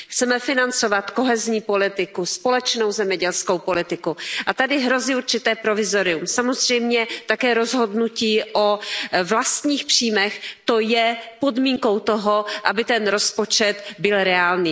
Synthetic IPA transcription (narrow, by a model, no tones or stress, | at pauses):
xt͡sɛmɛfɪnant͡so̞vat̪ko̞ɦɛzɲiːpo̞lɪt̪ɪkuspo̞lɛt͡ʃno̞wzɛmɲɛɟɛlsko̞wpo̞lɪt̪ɪkuʔat̪adɪɦɾo̞ziːuɾt͡ʃɪt̪ɛːpɾo̞vɪzoɾɪumsamo̞zr̝̥ɛjmɲɛt̪akɛːɾo̞zɦo̞dnuciːʔovlast̪ɲiːxpr̝̥iːmɛxt̪ojɛpo̞dmiːŋko̞wt̪oɦoʔabɪt̪ɛnɾo̞spo̞t͡ʃɛt̪bɪlɾɛaːlniː